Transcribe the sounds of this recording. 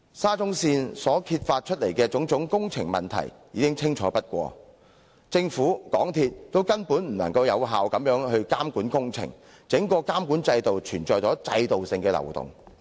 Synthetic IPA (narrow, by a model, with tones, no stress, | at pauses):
saː˥t͡sʊ˥ŋsiː˧nsɔː˨˥kʰiː˧t̚faː˧t̚t͡ʃʰɵ˥t̚le˨˩jkɛː˧t͡sʊ˨˥ŋt͡sʊ˨˥ŋkʊ˥ŋt͡sʰɪ˨˩ŋmɐ̰˨nt̪ʰɐ̰˨˩jjiː˨˧kɪ˥ŋt͡sʰɪ˥ŋt͡ʃʰɔː˨˥pɐ˥t̚kʷɔ̰ː˧ | t͡sɪ˧ŋfuː˨˥kɔː˨˥ŋt̪ʰiː˧t̚t̪ːo˥wkɐ˥npuː˨˥nm̩˨˩nɐ̰˨˩ŋkɐ˧wjɐ˨˧wɦaː˨wkɐ˨˧˥mjœː˨˥ŋɦɵ˧ɥkaː˥mkuː˨˥nkʊ˥ŋt͡sʰɪ̰˨˩ŋ | t͡sɪ˨˥ŋkɔː˧kaː˥mkuː˨˥nt͡sɐ˧jt̪o˨wt͡ʃʰyː˨˩nt͡ʃɔː˨jt͡sɔː˨˥t͡sɐ˧jt̪o˨wsɪ˨˧ŋkɛː˧lɐ̰˨˩wt̪ʊ̰˨ŋ